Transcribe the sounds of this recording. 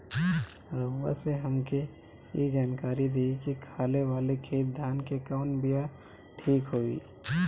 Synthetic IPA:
ɾəʋə̰seɦɐmke | jḛd͡ʒaːnkaːɾid̪iːkikʰaːleʋaːlekʰeːt̪̚d̪ʱaːnkekaʊnbija | ʈʰiːkɦoːḭː

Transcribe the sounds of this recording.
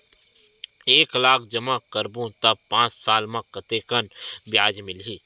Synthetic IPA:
eːklaːkʰd͡ʒɐmakəɾbũt̪ɐb̚pãːt͡ʃsaːlmãkət̪eːkənbjaːd͡ʒmɪlɦiː

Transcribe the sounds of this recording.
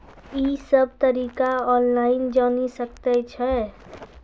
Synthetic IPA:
isəb̚ʱt̪əɾikaɔnlaɪnd͡ʒanisək̚t̪ɛt͡ʃʰɛ

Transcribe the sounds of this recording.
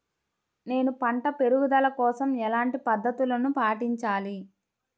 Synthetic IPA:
ne̞ːnupɐɳʈɐpe̞ɾuɡud̪ɐlɐkɔːsɐmɛlaːɳʈipɐd̪ʱːɐt̪ulɐnupaːʈiɲt͡ʃaːli

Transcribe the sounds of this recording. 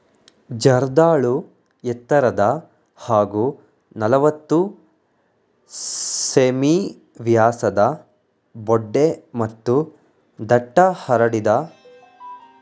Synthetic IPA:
d͡ʒɐɾd̪aːɭu | ɛt̪ːɐɾɐd̪ɐ | haːɡu | nɐlɐʋɐt̪ːu | seːmi | ʋjaːsɐd̪ɐ | bɔɖːemɐt̪ːu | d̪ɐʈːɐhɐɾɐɽid̪ɐ

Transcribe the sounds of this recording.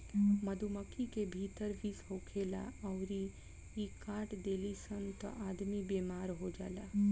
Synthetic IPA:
məd̪ʱuməkikebʱiːt̪əɾʋiːsɦoːkʰeːla̰ɐʊɾi | ikaːʈd̪eːlisənt̪ʔaːd̪mibeːmaːɾɦod͡ʒa̰ːla

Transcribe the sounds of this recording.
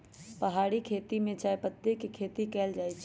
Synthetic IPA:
pəɦaːɽikʰeːt̪imẽt͡ʃaːepət̪ːekikʰeːt̪ikɛːld͡ʒaːit͡ʃʰ

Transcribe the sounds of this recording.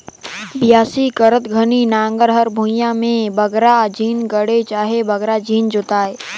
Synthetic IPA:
bɪjaːsikəɾət̪ɡʱəninãːŋɡəɾɦəɾbʱũjãmẽbəɡɾad͡ʒʱiːnɡəɽet͡ʃaːɦebəɡɾad͡ʒʱiːnd͡ʒʊt̪aːe

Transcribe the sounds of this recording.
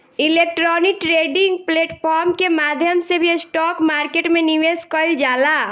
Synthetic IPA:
ilek̚ʈɾɔnikʈɾeɖĩŋɡ̚pleːʈpʰɔːɾmkemad̪ʱjəmsebʱisʈɔːkmaːɾkeʈmeniʋeskəld͡ʒaːla

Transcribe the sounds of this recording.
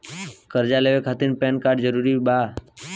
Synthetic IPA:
kəɾd͡ʒaleʋekʰat̪inpɛ̃nkaːɾɖd͡ʒəɾuɾiba

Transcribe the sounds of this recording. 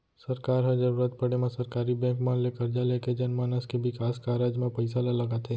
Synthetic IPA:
səɾkaːɾɦəd͡ʒəɾuːɾat̪̚pəɽemãsəɾkaːɾibɛ̃kmãnlekəɾd͡ʒaleked͡ʒənmaːnəskebɪkaːskaɾad͡ʒmãpəɪsalalɐɡaːt̪ẽ

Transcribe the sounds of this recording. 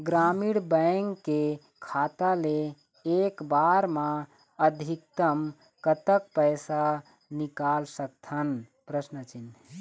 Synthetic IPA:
ɡɾamiɽbəŋɡkːe | kʰat̪ale | ekbaɾmã | əd̪ʱikt̪əm | kət̪əkpəjsa | nikalsək̚t̪ʰən | pɾəsnət͡ʃin

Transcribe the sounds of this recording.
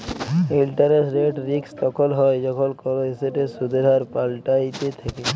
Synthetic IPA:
elʈaɾesɾeʈɾikst̪ɔkʰɔlɦɔjd͡ʒɔkʰɔlkɔloeseʈesud̪ʱeɾaɾpalʈajt̪et̪ʰake

